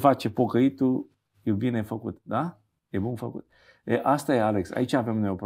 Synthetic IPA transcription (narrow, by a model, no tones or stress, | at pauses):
fat͡ʃe̞po̞kəit̪u | jebine̞fəkṵt̪̚d̪a | jebunfəkut̪ | eʔast̪ajealeksa̰it͡ʃaːve̞mnojop